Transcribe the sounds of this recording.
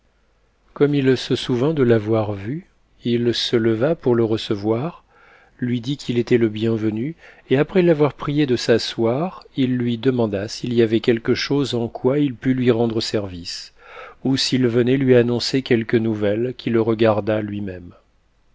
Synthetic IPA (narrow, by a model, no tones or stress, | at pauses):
kɔmilsəsuvɛ̃d̪əlavwaʁvy | ilsələvapuʁləʁəsəvwaʁ | lɥid̪ikʰʲilet̪ɛləbjɛ̃vəny | eapχɛlavwaʁpχijed̪əsaswaʁilːɥid̪əmɑ̃d̪asiliavɛkʲɛlkəʃozɑ̃kwailpylɥiʁɑ̃d̪ʁəsɛʁvis | usilvənɛlɥianɔ̃sekʲɛlkənuvɛlkʲʰiləʁəɡaʁd̪alɥimɛm